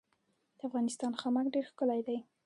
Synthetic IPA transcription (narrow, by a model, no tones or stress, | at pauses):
d̪̥əafɣɑnɪst̪ɑnxɑmakɖeɾxkəlajd̪aj